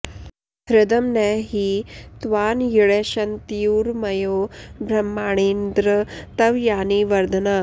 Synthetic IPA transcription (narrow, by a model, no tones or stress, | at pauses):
ɦɾɪd̪ɐmnɛːɦiːt̪ʋaːnjiɭeːʃɐnt̪juːɾmɐjoːbɾɐmːaːɳ̃eːnd̪ɾɐt̪ɐʋjaːniʋɐɾd̪ʱɐnaː